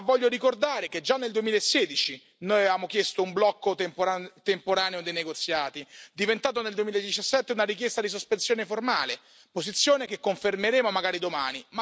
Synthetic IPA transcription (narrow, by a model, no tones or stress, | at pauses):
vːɔʎːoɾikord̪aːɾeked͡ʒanːeld̪uwemiːlaesːɛːd̪it͡ʃi | noːjavaːmokjest̪oumblɔkːopt̪empoɾaːneod̪ejneɡot̪sːjaːt̪id̪ivent̪aːt̪̬oneld̪uwemilaed̪ːit͡ʃasːɛt̪ːeunaɾik̬jest̪ad̪is̬ospensjoːneformaːle | posit̪sːjoːnekekːoɱfermeɾeːmomaɡaːɾid̪omaːnim